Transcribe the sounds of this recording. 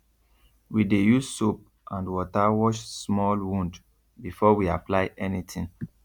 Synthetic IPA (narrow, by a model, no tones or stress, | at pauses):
widejuzsop̚ | ʔãndwɔtawɔʃsmɔlwũnd | bifɔwiaplaɪʔɛnitʰĩŋ